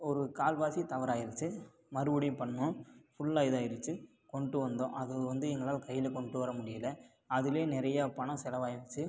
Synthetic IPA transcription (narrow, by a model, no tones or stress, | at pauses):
ɔɾɯkaːlbaːsit̪ɐʋɐɾaːjɪɾɯt͡ʃːɯ | mɐɾɯʋɯɽɪjpɐɳːõːfʊɭːaːjðaːjɪɾɯt͡ʃːɯ | kɔɳɖɯʋɐnd̪õ̰ːʔɐðɯʋɐnd̪ɯɛŋɡɐɭaːlkɐjːɪlɛkɔɳɖɯʋɐɾɐmʊɽɪjɐlɐ | ɐðɪleːnɪɾɐjapɐɳɐ̃sɛlɐʋaːjɪɾɯt͡ʃːɯ